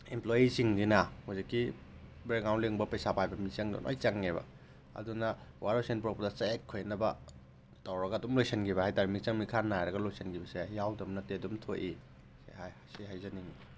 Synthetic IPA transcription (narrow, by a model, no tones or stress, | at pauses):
implojisiŋdinɐhuzikːi | bɾeknawntliŋbɐpejsapʰajbɐmiseŋdṵnʔo̰jt͡ʃɐŋːebɐ̰ | ɐ̰dunɐwaɾojsenpok̚pɐdɐt͡ʃaekʰːojnɐbɐ̰ | tawɾɐɡɐːdumlojsenɡʰibɐhajtaɾimik̚sɐŋmikʰanːajɾɐɡɐlojsenɡʰibɐsejawdɐmnɐtedumtʰoʔi | sḛhajhajsiɦajzɐniŋi